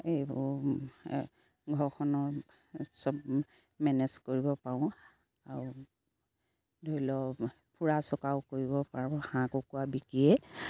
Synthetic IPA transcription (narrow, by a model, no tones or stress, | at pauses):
ebʊ | ɡʱɔɹkʰɔnɔɹ | sɔb | mɛnɛzkoɹibɔpaɹɔ̃ | aɹu | dʱoilɔ | pʰuɹasɔkaʊkoɹibɔpaɹɔ̃hãkokuabikiɛ